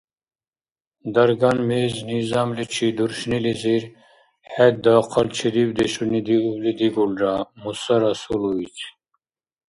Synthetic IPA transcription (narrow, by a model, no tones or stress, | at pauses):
d̪ɐɾɡanmeːznizamlit͡ʃʰid̪uɾʃniliziɾ | hɛt̪̚d̪aːqʰɑlt͡ʃʰilibd̪ɛʃunid̪iublid̪iɡulɾamusɐɾasuluit͡ʃʰ